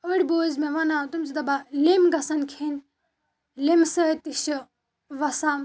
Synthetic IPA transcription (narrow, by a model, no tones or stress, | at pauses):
ɐɽʲboːzmẽʋɐnat̪umzid̪ɐbalemɡɐsɐnkʰin | lemsəjt̪iʃi | ʋɐsaːm